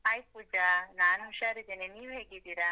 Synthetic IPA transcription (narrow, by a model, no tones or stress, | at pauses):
ɦajpuːd͡ʒanaːnɦuʃaːɾid̪eːneniːʋɦeːɡid̪iːɾa